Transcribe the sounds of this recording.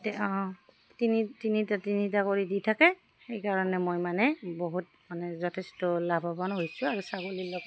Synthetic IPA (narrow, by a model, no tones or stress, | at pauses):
tɛɔ | tinitinitatinitakoɹiditʰakɛ | xejkaɹɔnɛmojmanɛboɦut̚ | manɛzɔtʰɛstɔlabʱabɔnɦojsʊaɹusaɡolilɔɡɔ